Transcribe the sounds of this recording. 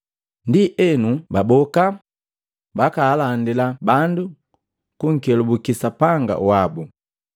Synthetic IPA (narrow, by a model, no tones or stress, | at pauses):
ndiʔɛnubabɔka | bakaːlandilabandu | kuŋ̩kɛlubukisapaŋɡa̰uwabu